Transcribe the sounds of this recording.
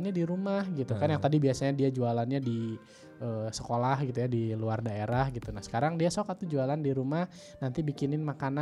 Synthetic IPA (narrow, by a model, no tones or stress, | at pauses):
nɲadiɾumahɡit̪ukanjaŋt̪adibiasaɲadiad͡ʒualanɲadi | ʔəːsəkolahɡit̪ujadiluardaeɾahɡit̪unahsə̥kaɾaŋdiasokat̪ːud͡ʒualandiɾumah | nant̪ibikinɪnmakana